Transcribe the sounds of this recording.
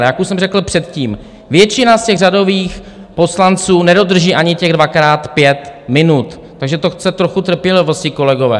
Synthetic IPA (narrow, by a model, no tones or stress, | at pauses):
ɛjakusɛmrɛkl̩pr̝̥ɛt̪ciːm | vjɛt͡ʃɪnascɛɣrado̞viːx | po̞slant͡suːnɛdo̞d̪r̩ʒiːʔaɲɪcɛɣdvakɾaːt̪pjɛt̪mɪnut̪ːaɡʒɛt̪o̞xt͡sɛt̪ɾoxut̪r̩pjɛlɪvostiko̞lɛɡo̞vɛ̰ː